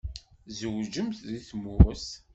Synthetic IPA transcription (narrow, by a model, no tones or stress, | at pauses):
zəwd͡ʒəmθðiθmʊɾəs